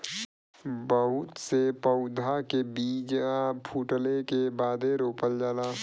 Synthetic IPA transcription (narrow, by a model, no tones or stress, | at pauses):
bəɦʊt̪sepəʊd̪ʱakebiːd͡ʒapʰuːʈəlekebaːd̪ʱeɾoːpəld͡ʒaːlaː